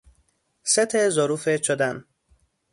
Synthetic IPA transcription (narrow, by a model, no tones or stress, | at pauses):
set̪ʰezoɾuːfet͡ʃʰod̪æn